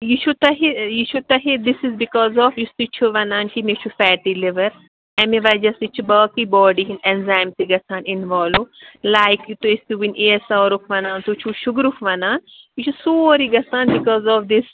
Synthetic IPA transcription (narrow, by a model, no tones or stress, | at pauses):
jit͡ʃʰut̪ɐɦejit͡ʃʰut̪ɐɦed̪ɪsɪzbikɔːzɔːfjust̪it͡ʃʰuʋɐnaːnkimet͡ʃʰufɛːʈilɪʋɐɾ | ɛ̃meʋaːd͡ʒɐst̪it͡ʃʰubɐːkibɔːɖiɦĩnɛnzãjmt̪iɡɐsãːnɪnʋɔːlolaːɪkjut̪oɪst̪uwineːsaːɾukʋɐnãːnt̪ut͡ʃʰuʃʊɡɾukʋɐnaːn | jit͡ʃʰusoːɾiɡɐsãːnbɪkɔːzɔːfd̪ɪs